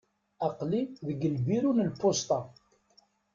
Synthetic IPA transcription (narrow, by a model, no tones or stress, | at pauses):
ɑqliðəɡːəlbiɾunəlpːost̪ˤɑ